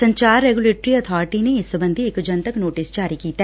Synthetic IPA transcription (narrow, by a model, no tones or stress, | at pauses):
sɐ̃ɲt͡ʃaːɾːeːɡʊleːʈɾiɐt̪ʰɔːɾɪʈineɪsəbə̃nd̪ʱiɪkd͡ʒɐ̃nt̪əknoːʈɪsd͡ʒaːɾikiːt̪aɦ